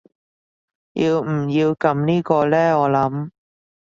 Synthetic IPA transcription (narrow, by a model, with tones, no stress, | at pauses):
jḭː˧wm̩˨˩jiː˧wkɐ˨˧mniː˥kɔː˧lɛː˥ɔː˨˧lɐ˨˥m